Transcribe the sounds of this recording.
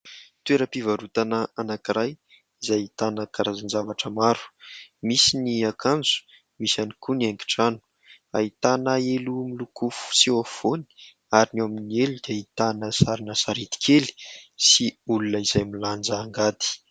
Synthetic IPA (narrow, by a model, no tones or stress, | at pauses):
t̪ueɾəpivaɾut̪anəanakiɾaj | izajit̪anəkaɾazanzavaʈ͡ʂəmaɾu̥misiniakand͡zu̥ | misanikuniajŋɡi̥ʈ͡ʂanu̥ | a̰it̪anaelumilukufu̥siov̥oni̥ | aɾinaminielud̪̥eit̪anəsaɾinəsaɾet̪i̥kʰeli̥siulunəizajmiland͡zaːŋɡat̪i̥